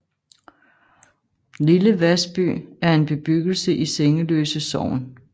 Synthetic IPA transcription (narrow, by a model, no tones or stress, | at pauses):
liləʋæsb̥y̰ːæɐe̝nb̥e̝b̥yɡ̥l̩səʔiseŋəlø̰ːsəsɒʊ̰n